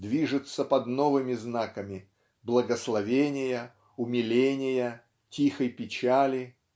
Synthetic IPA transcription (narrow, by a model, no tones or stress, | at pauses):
d̪vʲiʐɨt̪səpɐd̪novɨmʲɪznakəmʲɪ | blˠəɡəslˠɐvʲenʲɪjə | ʊmʲɪlʲenʲɪjə | tʲixəjpʲɪt͡ɕalʲɪ